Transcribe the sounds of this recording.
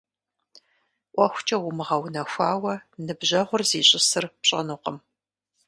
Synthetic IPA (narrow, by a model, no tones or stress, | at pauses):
ʔʷɔxʷt͡ʃʼɐwʊmɨʁɐwnɐxʷaːwɐnɨbʑɐʁʷʊrziːɕʼɪsɨrpɕʼɐ̰nuːqəm